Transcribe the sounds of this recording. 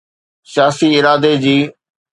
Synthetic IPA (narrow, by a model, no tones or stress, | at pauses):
sɪjaːsiɪɾaːd̪ed͡ʑiː